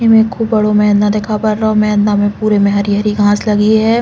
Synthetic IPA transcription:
imẽkʰuːbbɐɽomɛɦnãd̪eːkʰapɐɾːaomɛɦnd̪amẽpuːɾemɛ̃ɦɐɾiɦəɾiɡʱãːslɐɡiɦɛː

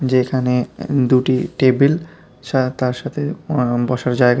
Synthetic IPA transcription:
d͡ʑekʰaned̪uʈiʈebel | ʃat̪aɾʃat̪ʰebɔʃaɾd͡ʑaeɡ

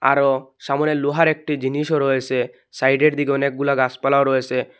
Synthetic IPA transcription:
aɾoʃamoneluɦaɾek̚ʈid͡ʑiniʃoɾɔet͡ɕʰe | sajɖeɾd̪ikeɔnek̚ɡulaɡaspalaoɾɔet͡ɕʰe

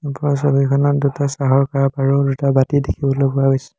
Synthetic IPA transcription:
pɔɹasobikʰɔnɔt̚dutasaɦɔɹkaapaɹudutabatidekʰibɔlojpʊaɦojsɛ̥

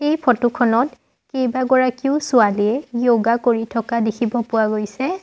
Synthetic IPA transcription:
ejpʰɔtukʰɔnɔt | kejbaɡɔɹakiʊsʊaliɛjoɡakoɹitʰɔkadekʰibɔpʊwaɡojsɛ

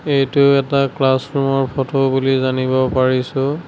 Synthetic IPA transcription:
ejtʊɛtaklasɹumɔɹpʰɔtʰobulizanibɔpaɹisʊ

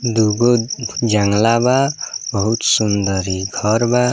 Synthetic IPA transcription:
d̪uɡod͡ʒaŋlababʌɦut̪sund̪ʌɾiɡʱɔɾba

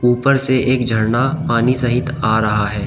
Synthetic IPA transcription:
uːpəɾseʔeːkd͡ʒʱɐɽnapaːnisɐɦɪt̪aːɾɐɦaɦɛː

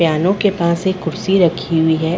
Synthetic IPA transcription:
jaːnõkepãːsekʊɾsiɾɐkʰiɦʊiɦɛ

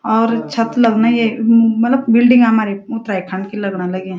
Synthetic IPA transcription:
ɔːɾt͡ʃʰɐt̪lɐɡnajemɐt̪ləbbɪlɖɪ̃ŋɡɦɐmaːɾeʊt̪ɾaːikʰaɳɖkilɐɡnalɐɡẽ

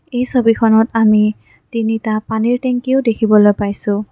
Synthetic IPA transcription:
ejsobikʰɔnɔtami | tinitapaniɹtɛŋkiʊdekʰibɔlojpajsʊ̃

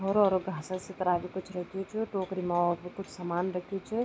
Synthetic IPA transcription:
ɦɔɾɔːɾoɡʱaːsəset̪ɐɾaːʋikʊt͡ʃʰɾɐkʰiot͡ʃʰːʈoːkɾimaɔɾbikʊt͡ʃʰsamaːnɾɐkʰiot͡ʃʰɛ

